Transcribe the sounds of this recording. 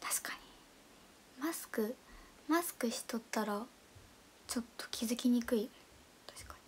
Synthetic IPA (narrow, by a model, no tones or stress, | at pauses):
t̪ʰḁɕi̥kaɲi | masɨ̥kɯ̟ | masɨ̥kɯ̟ɕi̥t̪o̞t̪ːaɾa | t͡ɕo̞t̪ːo̥kʲʰizɨkʲiɲ̟ikɯ̟i | t̪ḁɕkḁ